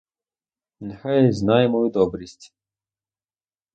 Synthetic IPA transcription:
nhɛjznajɛmɔjud̪ɔbɾisʲtʲ

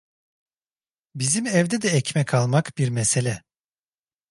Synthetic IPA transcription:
bizimɛvd̪ɛd̪ɛɛcmɛkʰalˠmakbiɾmɛselʲɛ

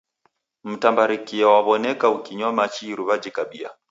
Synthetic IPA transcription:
m̩tambaɾikiawaβɔnɛkaukiɲɔmat͡ʃiɾuβad͡ʒikaɓia̰

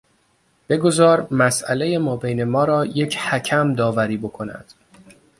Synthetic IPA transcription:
b̥e̞ɡo̞zɒːɾmæsʔæle̞je̞mɒːbejnemɒːɾɒːje̞cʰhæcʰæmd̪ɒːvæɾiːbo̞kʰo̞næ̰d̪̥

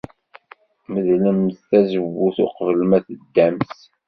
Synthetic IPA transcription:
məðləmθθæzəvːuθʊqvəlmæθəd̪ːæms

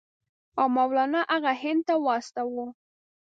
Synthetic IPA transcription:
awmawlɑnaʔaɣahɪnd̪̚t̪awɑst̪awu

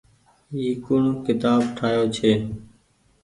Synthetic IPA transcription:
iːkʊɳːkɪt̪aːbʈʰaːjoːt͡ʃʰeː

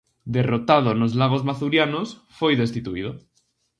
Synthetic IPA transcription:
d̪erot̪að̞onozlaɣ̞ozmaθuɾjanosfojðest̪it̪uið̞o

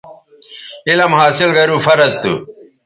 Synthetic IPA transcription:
ilɐmhaːsilɡɐɾuːfɐɾɐzt̪ṵ

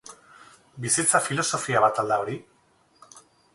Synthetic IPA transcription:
bisit͡safilo̞so̞fiaβat̪ald̪ao̞ɾi

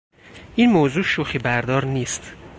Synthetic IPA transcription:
ʔiːnmoːzuːʃuxibæɾd̪ɒːɾniːst̪

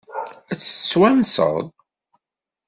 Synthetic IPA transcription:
æt͡sːə̥t͡sːwænsə̰ʁðˤ

